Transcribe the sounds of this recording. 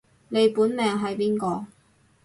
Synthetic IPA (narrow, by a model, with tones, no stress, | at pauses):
ne˨˧jpuː˨˥nmɛː˨˧ŋɦɐ˨˥jpiː˥nkɔː˧